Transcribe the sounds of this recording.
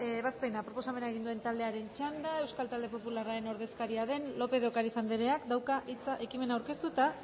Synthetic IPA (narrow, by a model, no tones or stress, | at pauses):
βaspe̞napɾo̞po̞same̞naeɣind̪ue̞nt̪ald̪e̞aɾe̞nt͡ʃand̪ae̞wskalt̪ald̪e̞po̞pularaɾe̞no̞ɾðe̞skaɾiaðe̞nlo̞pe̞ð̞o̞kaɾisand̪eɾe̞akd̪awkaʔit͡saʔe̞kime̞nauwɾke̞st̪ut̪a